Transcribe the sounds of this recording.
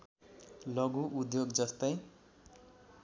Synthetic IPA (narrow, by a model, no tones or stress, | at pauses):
lʌɡuʔud̪joɡd͡zʌst̪ʌj